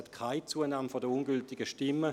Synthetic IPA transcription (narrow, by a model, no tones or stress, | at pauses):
ɛtkʰaɪt͡suənaːmfɔdəunɡʏltɪɡəʃtɪmːə